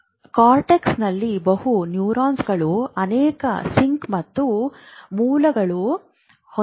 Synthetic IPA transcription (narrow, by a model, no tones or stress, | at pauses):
kaːɾʈeksnɐlːibɐɦhunjuːɾaːnsɡɐɭuɐnɛːkɐ̰siŋkmɐt̪ːumuːlɐɡɐɭu | h